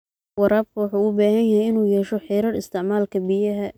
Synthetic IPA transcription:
wɑɾaːb̚kʰwɑħuːʊbaːhɐnjɐhɛjɪnuːjɛːʃɔħɪjɾɐrɪst̪ʰɪʕmaːlkʰɐbɪjɐɦɐ

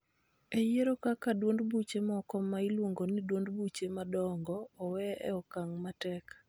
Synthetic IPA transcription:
ejeɾokakadwondbut͡ʃemɔkɔmːailwoŋɡonidwondbut͡ʃemadɔŋɡɔːwɛɛ̰ɔkaŋmatɛk

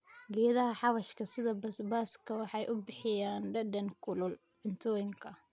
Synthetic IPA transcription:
ɡɛːðɐɦɐħɑβɐʃkʰɐsɪðɐbɐsbaːskʰɐwɑħɑjʔʊbɪħɪjaːnɖɐɖɐŋkʰʊlʊl | ʕɪnt̪ʰɔːjɪŋkʰɐ

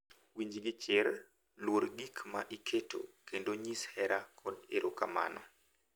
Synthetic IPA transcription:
wiɲd͡ʒɡɪt͡ʃɪɾ | lwoɾɡikʰmaʔikʰeto̰kendoɲishɛɾʔakʰɔdeɾʔokama̰nʔɔ

